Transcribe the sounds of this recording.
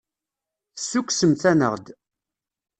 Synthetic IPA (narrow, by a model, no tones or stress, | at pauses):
θəsːukːsəmθænə̰ʁd̪